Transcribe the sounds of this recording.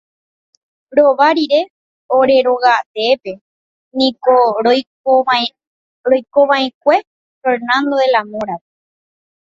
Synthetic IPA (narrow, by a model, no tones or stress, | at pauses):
ɾoʋaɾiɾe̞ | oɾe̞ɾo̞ɣat̪epe̞ | nĩko | ɾojkoʋãẽk̚ʷe̞ | feɾnãnd̪oelamõɾape